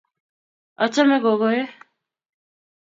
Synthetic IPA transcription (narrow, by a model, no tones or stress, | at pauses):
ət͡ʃʰamɛ̃ːɡoːɡoːeː